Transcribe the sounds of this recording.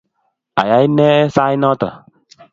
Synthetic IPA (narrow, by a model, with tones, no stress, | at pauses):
a̰˨ja˨˦i˦nɛ˦sa˦i˦nɔ˦tɔ̰˨